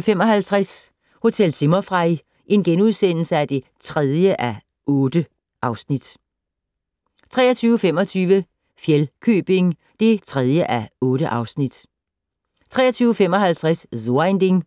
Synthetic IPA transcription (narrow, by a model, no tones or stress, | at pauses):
fem̰ɒ̽ɦælt͡sʰʁas | ho̝t͡sʰel̰t͡sʰimɐfʁɑɪ | ʔe̝nɡ̥enuðˠsen̰l̩səæd̥e̝ | t͡sʰʁɛðˠjəʔæ | ɔ̽ːd̥ə | ʔɑ̈ʊsnid̥ | t͡sʰʁɛ̰ːɐt͡sʰyːʊəfemɒ̽t͡sʰyːʋə | fjelkʰø̰ːb̥e̝ŋ | d̥e̝t͡sʰʁɛðˠjəʔæɔ̽ːɾ̥əʔɑ̈ʊsnid̥ | t͡sʰʁɛ̰ːɐt͡sʰyːʊəfem̰ɒ̽ɦælt͡sʰʁaszond̥eŋ